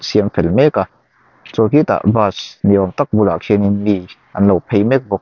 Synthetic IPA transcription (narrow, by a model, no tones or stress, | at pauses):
siəmfɛlmɛka | t͡sɔkit̪a̰ʔbasniʔɔmt̪ak̚bula̰kʰininmiʔɐnlowpʰejmɛk̚bɔk̚